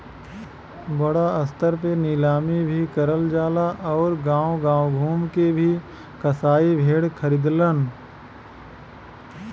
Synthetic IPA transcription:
bəɽaəst̪əɾpeniːlaːmibʱikəɾəld͡ʒaːlaʔɔːɾɡãːõɡãːoɡʱuːmkebʱi | kɐsaːibʱeːɽkʰəɾiːd̪lən

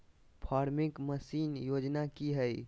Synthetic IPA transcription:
pʰaɾmikməsinjod͡ʒnakiɦəj

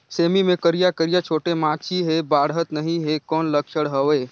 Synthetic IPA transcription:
seːmimẽkəɾijakəɾijat͡ʃʰoːʈemãːt͡ʃʰiɦebaːɽɦət̪nɐɦĩɦekɔːnləkʃəɽɦəʋeː

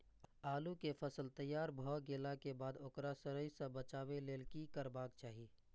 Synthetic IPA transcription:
aːlukepʰəsəlt̪əjːaːɾbʱɔːɡeːlakebaːd̪oːkɾasəɾəisə̃bət͡ʃaːweleːlkikəɾbaːk̚t͡ʃaːɦi

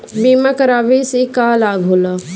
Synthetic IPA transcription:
biːmakɐɾaːʋisikalaːɡʱɦola

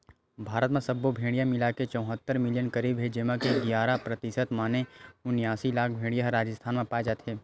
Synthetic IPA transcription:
bʱaːɾət̪mẽsɐbːobʱẽːɽijãmɪlaket͡ʃə̃w̃ɦət̪ːəɾmɪlɪjənkəɾiːbɦed͡ʒemãkeɡjaːɾapɾət̪ɪsət̪maːneʊnɪjaːsilaːk̚ʰbʱẽːɽijãɦɾaːd͡ʒəst̪ʰaːnmẽpaːed͡ʒaːt̪ɦeː

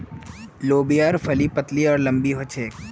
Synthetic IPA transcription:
loːbijaɾfʰɐlipət̪liɔːɾlə̃mbiɦot͡ʃʰeːk

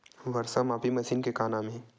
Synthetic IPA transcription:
ʋɐɾsamaːpimɐʃiːnkekaːnaːme

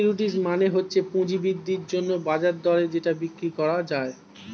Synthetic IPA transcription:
ɾuʈ̬ismaneɦotːɕʰepũd͡ʑibid̪ːiɾd͡ʑonːobad͡ʑaɾd̪ɔled͡ʑeʈabikɾikɔɾad͡ʑae

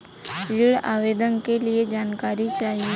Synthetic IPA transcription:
ɾiɽa̰ʋed̪ənkelied͡ʒankaɾit͡ʃaɦi

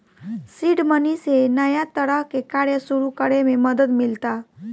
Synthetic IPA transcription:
siɖmənisenəjat̪əɾəɦkekaɾjəsuɾukəɽemẽməd̪əd̪milt̪a

